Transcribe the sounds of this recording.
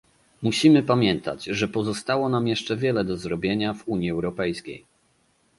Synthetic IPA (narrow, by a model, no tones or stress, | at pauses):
muɕimɘpamʲjɛnt̪a̰d͡ʑʐɛpɔzɔst̪awɔnamjɛʂt͡ʂɛvʲjɛlɛd̪ɔzɾɔbʲjeɲavuɲiɛwɾɔpɛjskʲḛj